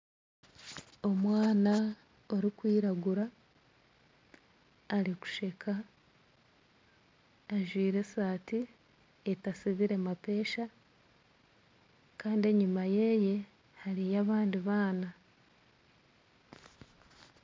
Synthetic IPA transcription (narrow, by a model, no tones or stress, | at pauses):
o̞mwaːna | o̞ɾikwiːɾaɡuɾa | ɾiku̥ʃe̞kʰa | ʒwiːɾe̞saːti | etasiβiɾe̞mape̞ːʃa | kaːndie̞ɲumaje̞ːje̞ | haɾijaβaːndiβaːna